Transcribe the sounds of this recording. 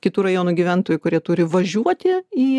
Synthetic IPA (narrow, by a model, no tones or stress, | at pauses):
kʲɪt̪uːɾɐjoːnuːɡʲiʋʲænt̪oːjʊkʊɾʲiɛt̪ʊːɾʲɪʋɐʒʲuɔt̪ʲɪiː